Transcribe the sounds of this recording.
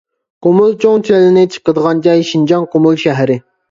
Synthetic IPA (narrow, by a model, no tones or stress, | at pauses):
qomulˠt͡ʃʰoŋt͡ʃʰɛlɪnɪt͡ʃʰə̥qəd̪əʁɑnd͡ʒɑjʃind͡ʒɑŋqomulˠʃɛɦɾɪ